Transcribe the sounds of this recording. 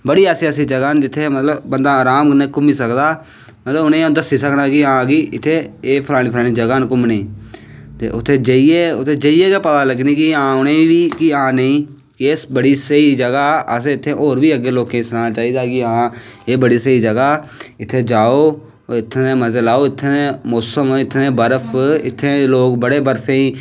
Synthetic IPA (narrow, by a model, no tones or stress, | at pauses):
bəɽiːəseːəsiːd͡ʒəɡaːnd͡ʒɪt̪ʰːeːmət̪ləbbənd̪aːɾaːmnekʊmiːsəkd̪aː | mət̪ləbnẽːd̪əsiːsəknaːkɪãːɡiɪt̪ʰːeːeːpʰəlaːɽ̃iːpʰlaːniːd͡ʒəɡaːnkʊmnẽː | t̪ḛʔʊ̰t̪ʰːeːd͡ʒəieːʊt̪ʰːeːd͡ʒəiːeːkeːpət̪aːləɡniːkɪãːʊneːʋiːkɪãːnəĩː | kɪesbəɽiːsəiːd͡ʒəɡaːəs̬eɪt̪ʰːẽːʔoːɾbiːəɡːeːloːkẽːsənaːnaːt͡ʃaːiːd̪aːkɪãːeːbəɽiːsəiːd͡ʒəɡaːɪt̪ʰːeːd͡ʒaːoː | ɪt̪ʰːneːməzeːlaːoːɪt̪ʰːeeːmoːsəmɪt̪ʰːneːbəɾəpʰɪ̰t̪ʰːeːloːkbəɽeːbəɾsẽːiː